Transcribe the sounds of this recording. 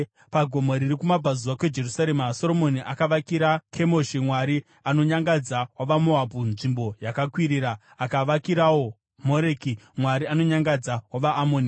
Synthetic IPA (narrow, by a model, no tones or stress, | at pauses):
paɡʱomoɾiɾikumabʱazuwake̞d͡ʒe̞rusaɾeːmaso̞ɾo̞mo̞niʔakaʋakiɾakʰe̞mo̞ʃimwaɾi | ano̞ɲaŋɡad͡zawaʋamoabʱunʐimbo̞jakakwiɾiːɾaː | kaʋakiɾawo | moɾekimwaɾiano̞ɲaŋɡad͡zawaʋaʔːmoːni